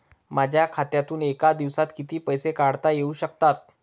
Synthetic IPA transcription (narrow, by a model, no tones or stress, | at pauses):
mad͡ʑʱjakʰat̪jat̪uːnekad̪iʋsat̪kit̪iːpəjsekaɽt̪ajeuːɕəkt̪at̪̚